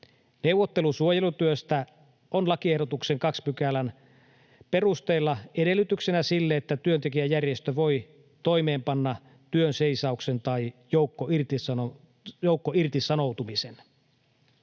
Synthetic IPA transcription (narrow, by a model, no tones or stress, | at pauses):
ne̞wʋːot̪ːe̞lusuojelut̪yøst̪æ | ʔonlɑkiehdo̞t̪ukseŋkɑkspykælæn | pe̞rust̪e̞ːlːɑede̞lːˑyt̪yksenæsilːeet̪ːæt̪yønt̪e̞k̬iæjærjest̪øʋo̞j | t̪o̞jme̞ːmpɑnːɑ | t̪yønseisɑukse̞nt̪ɑjjoukːoirt̪i | jowkːoirt̪isɑno̞wt̪umisen